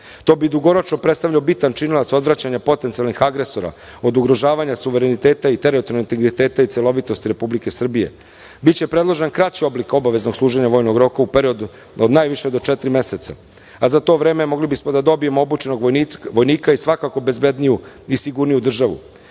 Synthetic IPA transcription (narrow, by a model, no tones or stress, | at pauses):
t̪o̞ːbid̪uɡo̞ɾo̞t͡ʃno̞pɾe̞t̪st̪aʋʎaobit̪ant͡ʃinilat̪so̞d̪ʋɾat͡ɕaɲapo̞t̪e̞nt̪sialnixaɡɾe̞so̞ɾa̰ | o̞d̪uɡɾo̞ʒaːʋaɲasuʋeɾenit̪eːt̪ait̪e̞ɾiot̪onint̪eɡɾit̪e̞ːt̪ait̪selˠo̞ʋit̪o̞st̪iɾe̞publike̞sr̩bije̞̰ | bitt͡ɕe̞pɾe̞d̪lˠo̞ʒenkɾat͡ɕio̞bliko̞baʋe̞zno̞ɡsluːʒe̞ɲaʋo̞ːjno̞ɡɾo̞kaupeɾio̞d̪u | od̪naːjʋiʃe̞d̪o̞t͡ʃet̪ɾime̞se̞t̪sa̰ | azat̪o̞ːʋɾe̞ːme̞mo̞ɡlibismod̪ad̪o̞bije̞moobut͡ʃe̞no̞ɡʋo̞jniːkaisʋakako̞be̞zbe̞d̪niju | isiɡuɾnijud̪r̩ʒaʋṵ